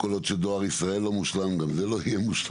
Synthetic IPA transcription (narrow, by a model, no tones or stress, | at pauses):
kolo̞t̪ʃed̪o̞aʁisʁae̞lːo̞muʃlamɡamzelo̞hijemuʃla